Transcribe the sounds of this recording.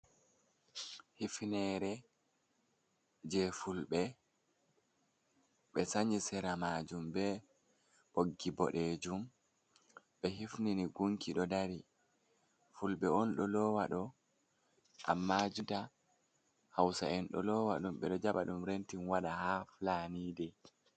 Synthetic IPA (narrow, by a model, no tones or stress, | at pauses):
hifnɛɾɛ | d͡ʒɛfulɓɛ | ɓɛsaɲisɛɾamaːd͡ʒumbɛ | ʔoɡːibɔ̰ɗeːd͡ʒum | ɓɛɦifniniɡuŋkiɗɔdaɾi | fulɓɛɔnɗɔlɔːwaɗɔ | ʔa̰mːad͡ʒunta | hawsa̰ɛnɗɔ̰lɔːwaɗumɓɛ̰ɗɔd͡ʒaɓaɗumɾentinwaɗahaflaniːdɛ